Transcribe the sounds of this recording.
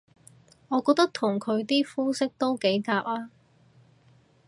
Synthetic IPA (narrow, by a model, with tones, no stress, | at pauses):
ɔː˨˧kɔː˧k̚t̪ɐ˥k̚t̪ʰʊ˨˩ŋkʰɵ˨˧ɥt̪iː˥fuː˥sɪ˥k̚t̪o˥wke˨˥jkaː˧p̚laː˥